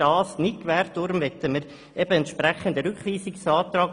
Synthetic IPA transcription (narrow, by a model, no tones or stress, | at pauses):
ɑːsnɪkʋæːɾtʊɾmʋɛt̪əməɾ | ɛb̥əɛntʃpɾæχənd̪əɾʏkχʋiːsɪksɑːt̪ɾɑːk